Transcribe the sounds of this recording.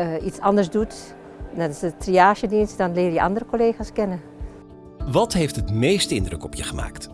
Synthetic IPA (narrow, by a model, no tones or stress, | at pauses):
itsɑndəɹsdut | dɔnɪsətriaːʃədinsdɔnlɪːrjəʔɑ̰ndərəkoleːxaːskɛnə | ʋɑtɦejftɦətmejstəɪ̰ndrə̰kɔpjəχəma̰ːkt